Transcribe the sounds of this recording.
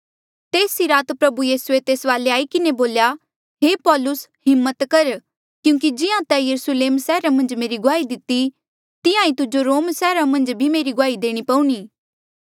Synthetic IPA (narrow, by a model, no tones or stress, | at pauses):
t̪eːsiɾaːt̪pɾɐbujiːsuet̪eːsʋaːleaːikɪneboːlja | ɦeːpɔːlʊsɦɪmːət̪kɐɾ | kjũːk̬id͡ʒɪãt̪ɛjɐɾʊsleːmsɛːɾamɐ̃nd͡ʒmeːɾiɡʊaːid̪ɪt̪i | t̪ɪjãːĩt̪ʊd͡ʒoɾoːmsɛːɾãmɐ̃nd͡ʒbʱimeːɾiɡʊaːid̪eːɽ̃ipɐ̃ũɽ̃iː